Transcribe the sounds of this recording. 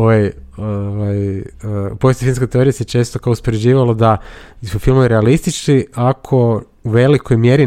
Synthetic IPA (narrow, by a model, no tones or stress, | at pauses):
ajoʋajəpo̞jest̪ofilmskojt̪eoɾijeset͡ʃe̞st̪o̞kaouspo̞ɾed͡ʑiːʋalod̪asufilmoʋiɾealist̪it͡ʃkiakʰo̞ | uʋe̞likʰo̞jmje̞ɾi